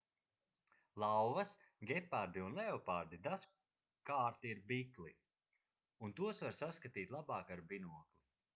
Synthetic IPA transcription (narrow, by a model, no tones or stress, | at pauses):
lˠawvɐs | ɡʲɛpːaɾd̪iunlˠɛɔpaɾd̪id̪as | kaːɾt̪iɾbiklˠi | unt̪uɔsvaɾsaskat̪iːt̪ʲlˠabaːkaɾbinuɔkli